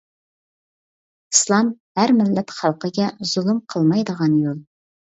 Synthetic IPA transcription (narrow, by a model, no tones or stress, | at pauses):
ɨslˠɑmhæɾmɪlːɛt̪χɑlˠqəɡʲɛz̥ulˠɨmqʰəlˠmɑjd̪əʁɑnjolˠ